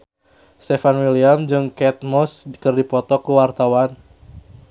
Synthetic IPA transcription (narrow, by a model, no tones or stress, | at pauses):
st̪ɛfanwiliamd͡ʒɨŋkɛt̪̚mɔskɨrdipɔt̪ɔkuwart̪awan